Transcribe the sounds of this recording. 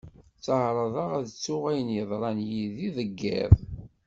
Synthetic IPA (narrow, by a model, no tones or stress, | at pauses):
t͡sːəhɾˤɑðˤɑʁæðət͡sːʊʁæjənjəðˤɾˤɑnjiðiðəɡːæ̰ðˤ